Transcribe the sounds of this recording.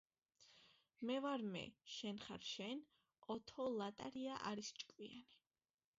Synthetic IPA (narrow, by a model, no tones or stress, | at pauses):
mɛvaɾmɛ̰ʃɛnχaɾʃɛn | ɔt̪ʰɔlˠat̪ʼaɾiaʔa̰ɾist͡ʃʼkʼwiani